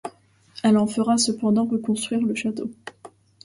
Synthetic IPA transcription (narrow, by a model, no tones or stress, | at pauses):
ɛlɑ̃fəʁasəpɑ̃d̪ɑ̃ʁəkɔ̃st̪χɥiʁləʃat̪o